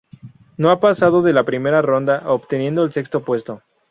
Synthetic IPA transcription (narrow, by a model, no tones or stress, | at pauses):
no̞apasað̞o̞ðe̞lapɾime̞ɾaro̞nd̪aʔopt̪e̞nje̞nd̪o̞else̞kst̪o̞pwe̞st̪o̞